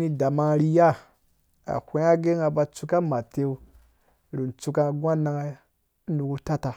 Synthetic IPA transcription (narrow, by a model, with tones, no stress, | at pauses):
ni˧da˨ma˧ɾi˧ja˦˨ | a̰˨hʷe˦a˦ɡe˦ŋa˧ba˧t͡su˧ka˦ma˨te˧u˦ | ɾi˨n˨t͡su˧ka˧˨ɡʷa˦na˧ŋa˦ | nu˨ku˧ta˦ta˧